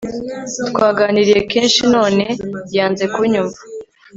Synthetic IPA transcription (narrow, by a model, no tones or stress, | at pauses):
tkwaːɡaːniɾije̞keːnʃino̞ːne̞jaːnze̞kuɲuɱvḁ